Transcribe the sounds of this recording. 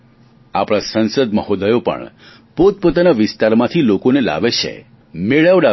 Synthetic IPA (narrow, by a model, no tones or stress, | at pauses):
a̰pɽ̃asə̃nsəd̪məɦod̪əjopə̰ɳ | pot̪̚pot̪anaʋɪst̪aɾmãt̪ʰilokonela̰ʋet͡ʃʰḛ | meɭaʋɖa